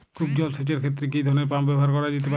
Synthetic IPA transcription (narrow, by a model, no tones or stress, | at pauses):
kub̚d͡ʑɔlset͡ɕeɾkʰet̪ːɾek̬id̪ʱɔɾnepambɛboɦaɾkɔɾad͡ʑet̪epa